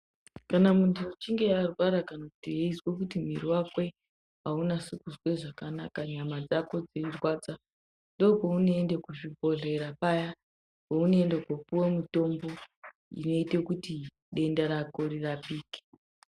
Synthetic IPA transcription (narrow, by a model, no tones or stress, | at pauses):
kanamuntʰuut͡ʃiŋɡe̞arwaɾakanaku̥tieiswek̬utim̤iriwakwe̞ | ɦaunasukuzwe̞ʐakanakaɲamad͡zako̞d͡zeirwad͡za | ndo̞pounoendekuʐibʱo̞ɮe̞ɾapaja | pounoendekwopuwomito̞mbo̞ | ḭno̞itekuti | ɗe̞ndaɾakoɾirapiːke̥